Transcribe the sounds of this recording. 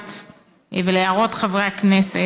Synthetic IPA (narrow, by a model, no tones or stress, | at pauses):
t̪ | veleaʁo̞tχavʁeaknese